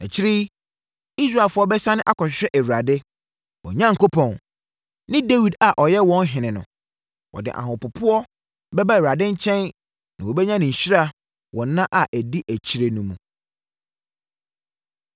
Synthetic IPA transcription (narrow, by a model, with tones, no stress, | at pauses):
na̰˨t͡ɕʰɪ˦ɾi˦ | i˦s̬ɾa˦˨fʊ˦ɔ˦bɛ˦sã˦nʊ̃˦ʔa˦kʰɔ˨ɕᶣɪ˨ɕᶣɛ˦ʔæ˨ɥɾa˨dɪ˦ | wɔ̰˨ɲã˦ŋ˨kʰo˦pʰɔ̃˨n | nɪ̃˦de˦wi˨da˨ʔɔ˨jɛ˦wɔ̃˦n˦ɦɪ̃˨nɪ̃˨nʊ̰̃˨ | wʔɔ̰˨dɪ̰˨ʔa̰˨ɦʊ̃˨pʊ˨pʰʊ˦ɔ˦ | bɛ˦ba˦ɛ˨ɥa˨dɪ̃˦ɲ̩˦t͡ɕʰɛ̃˦n | nã˨wɔ˨bɛ˦ɲã˦nɪ̃˨ɲ̩˨ɕɾa˦˨ | wʔɔ̃ː˨˦ã˦ʔa˨ʔæ˨di˦ʔæ˨t͡ɕʰi˦ɾe˨nũ˨mũ˨